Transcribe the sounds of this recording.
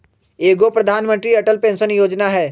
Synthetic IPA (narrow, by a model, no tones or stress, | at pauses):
eːɡopɾɐd̪ʱaːnmə̃nt̪ɾiɐʈəlpẽːnsənjoːd͡ʒnaɦɛː